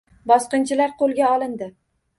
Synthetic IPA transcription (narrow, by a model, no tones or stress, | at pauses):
bɒsqɨnt͡ʃʰɪlaɾqʰolˠɡʲaɒlˠɪnd̪ɪ